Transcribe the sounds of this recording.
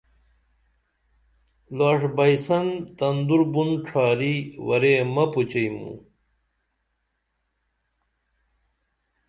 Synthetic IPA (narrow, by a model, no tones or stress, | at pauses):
laːʂbɐjsɐnt̪ɐnd̪uɾbunʈ͡ʂʰaːɾiwɐ̰ɾemɐput͡ɕɐjmṵ